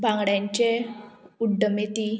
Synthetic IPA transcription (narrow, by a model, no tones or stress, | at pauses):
bʱãŋɡɽjãɲt͡ɕeuɖːəmet̪i